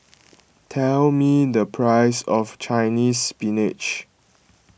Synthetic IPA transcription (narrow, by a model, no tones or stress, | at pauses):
tʰɛlmidəpʰɹaɪsɔft͡ʃaɪnispinɪt͡ʃ